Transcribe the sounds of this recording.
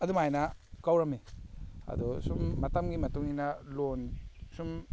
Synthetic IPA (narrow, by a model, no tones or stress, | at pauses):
ɐdumajnakawɾɐmiɐ̰d̪ɔsumːɐtamɡimɐtuŋinalonsum